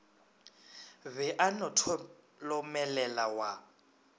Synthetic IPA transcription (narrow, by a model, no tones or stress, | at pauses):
bɛʔanɔtʰɔ | lɔmɛlɛlawa